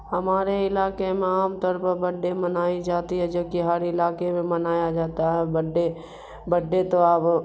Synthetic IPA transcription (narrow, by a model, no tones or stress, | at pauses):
ɦɐmaːɾeɪlaːkemẽaːmt̪ɔːɾpɐbɐɖːemɐnaːid͡ʒaːt̪iɦɛd͡ʒobkiɦaːɾiɪlaːkemẽmɐnaːjad͡ʒaːt̪aɦɛbɐɖe | bəɖːet̪oaːp